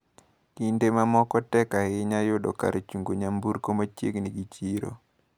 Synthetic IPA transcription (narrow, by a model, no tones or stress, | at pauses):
kindemamɔkɔtɛkaɪɲajʊdɔ̰ka̰ɾet͡ʃuŋɡoɲambuɾkomat͡ʃjḛɡnɪɡit͡ʃiɾo̰